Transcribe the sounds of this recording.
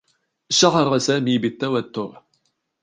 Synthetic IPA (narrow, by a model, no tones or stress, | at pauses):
ʃaʕɑɾˤɑsaːmiːbɪt̪ːawat̪ːʊɾ